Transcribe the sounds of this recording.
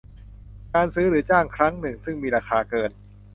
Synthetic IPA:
kaː˧nsɯː˦˥ɾɯː˩˦t͡ɕaː˥˩ŋkʰɾa˦˥ŋnɯ˨˩ŋsɯ˥˩ŋmiː˧ɾaː˧kʰaː˧kɤː˧n

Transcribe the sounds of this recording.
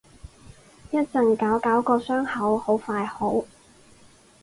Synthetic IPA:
jɐ˥t̚t͡sɐ˨˩nkaː˨˥wkaː˨˥wkɔː˧sœː˥ŋhɐ˨˥who˨˥wfaː˧jho˨˥w

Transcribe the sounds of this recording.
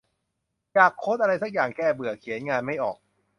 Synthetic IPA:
jaː˨˩kʰːo˦˥ʔa˧ɾa˧jsa˦˥k̚jaː˨˩ŋkʰɛː˥˩bɯ˨˩əkʰi˨˩˦nŋaː˧nma˥˩jʔɔː˨˩k̚

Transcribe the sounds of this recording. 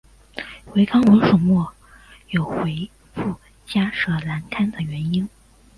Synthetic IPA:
xwe˧˥ɪkʰɑ˥ŋwə˧˥ŋʂʊ˨˩ŋmwɔ˥˩ | jo˨˩ʊxwe˧˥ɪ | fu˥˩ | t͡ɕja˥ʂɤ˨˥la˧˥nkʰa˥nd̪ə˨ɥɛ˧˥ni˥n

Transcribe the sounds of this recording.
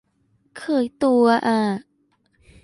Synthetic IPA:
kʰɤː˧˩jt̪u˧ɐ˧ʔaː˧˩

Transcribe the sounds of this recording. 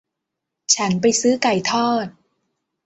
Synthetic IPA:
t͡ɕʰa˦˥np̬a˧jsɯː˦˥ka˨˩jt̪ʰɔː˥˩t̪̚

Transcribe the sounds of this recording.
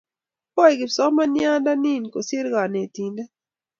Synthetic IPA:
pɔ˦ɛ˨ɡɪ˨sɔ˦ma˦nja˦nda˦ni˦˨nko˨sɪ˦ɾɡa˨ne˨ti˨ndɛ˦

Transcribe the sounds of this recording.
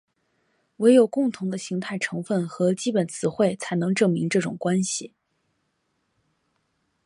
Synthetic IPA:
we˧˥ɪjo˨˩ʊkʊ˥˩ŋt̪ʰʊ˧˥ŋd̪ə˧ɕi˧˥ŋt̪ʰa˥˩ɪʈ͡ʂʰɤ˧˥ŋfə˥˩nxɤ˧˥t͡ɕi˥pə˨˩nt͡sʰɹ̩˨˩xwe˥˩ɪt͡sʰa˧˥ɪnɤ˧˥ŋʈ͡ʂɤ˥˩ŋmi˧˥ŋʈ͡ʂɤ˥˩ʈ͡ʂʊ̰˨˩ŋkwa˥nɕi˨˩

